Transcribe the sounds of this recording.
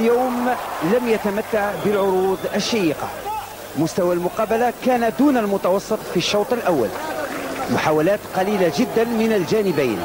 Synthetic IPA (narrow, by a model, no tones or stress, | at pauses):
ljaːmlæmjat̪amat̪ːaʕbəlʕʊɾuːd̪əʃːajiqɑ̰ | mʊst̪awalmʊqɑːbalakæːnad̪uːnəlmʊt̪ɑwɑsˤːɨt̪ˤfiʃːɑwt̪ˤəlʔawːa̰l | mʊħaːwalæːt̪qɑliːlaʒɪd̪ːanmɪnəlʒænɪbæjn